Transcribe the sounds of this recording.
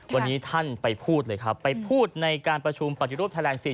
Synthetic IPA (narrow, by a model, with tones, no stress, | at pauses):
wa˧nnːiː˦˥t̪ʰa˥˩npa˧jpʰuː˥˩t̪̚lɤː˧jkʰɾa˦˥pːa˧jpʰuː˥˩t̪̚na˧jkaː˧npɾa˧t͡ɕʰu˧mpa˨˩t̪ʰːi˦˥ɾuː˥˩t̪ʰa˧lɛː˧ŋsi˨˩